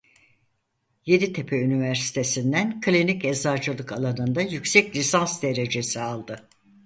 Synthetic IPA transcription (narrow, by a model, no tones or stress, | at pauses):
je̞d̪it̪ʰe̞pʰeynivæɾsi̥t̪ʰe̞sind̪ænkʰlʲinicɛzaɾd͡ʒɯlˠɯkalˠanɯnd̪ajycsɛclʲisansd̪e̞ɾe̞d͡ʒe̞sialˠd̪ɯ